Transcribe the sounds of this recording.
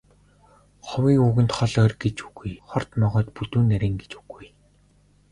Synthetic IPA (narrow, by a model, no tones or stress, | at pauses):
χʊwiːuːɣɘ̆nt̪χɔɮœːrɡet͡ɕuɣujχɔr̥t̪mɔʁɔːt̪put̪uːnːæɾiːŋɡet͡ɕuɣuj